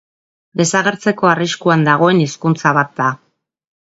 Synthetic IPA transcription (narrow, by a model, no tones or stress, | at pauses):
d̪e̞saɣe̞ɾt͡se̞ko̞ariskuand̪aɣ̞o̞e̞niskunt͡saβat̪̚d̪a